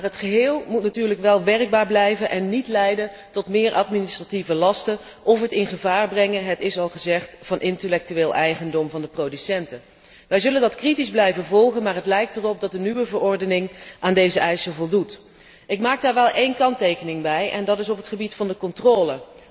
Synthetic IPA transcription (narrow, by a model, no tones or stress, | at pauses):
marɦətχəɦɪːlˠmutnatyːɹləkʋɛlˠʋɛrɡ̚baːɹblɛjvənʔɛnːitlɛjdən | tɔtmɪːɹʔɑtminɪstrativəlɑstən | ʔɔfɦətɪnχəvaːɹbrɛŋəɦətɪsɑlˠχəzɛχtfɑnʔɪntəlɛk̚tyʋeːlˠʔɛjχəndɔmvɑndəprowdysɛntə | ʋɛjzɵləndɑtkritizblɛjvənvɔlˠχənmaːɹɦətlɛjk̚tərɔp̚dɑt̚dənyʋəvəɹɔɹdənɪŋʔaːndejzəɛjsəlˠvɔlˠdut | ɪkmaːk̚daːɹʋɛlˠejnkɑntejkənɪŋbɛjʔɛ̰ndɑtɪsɔpɦətχəbitfɑndəkɔntroːlə